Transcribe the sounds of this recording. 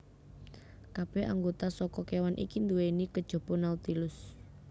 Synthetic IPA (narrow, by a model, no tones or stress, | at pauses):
kab̥ɛha̰ŋɡot̪asɔkɔkewanʔḭkind̪uwenikəd̥ʒ̥ɔ̤b̥ɔnaut̪ilʊs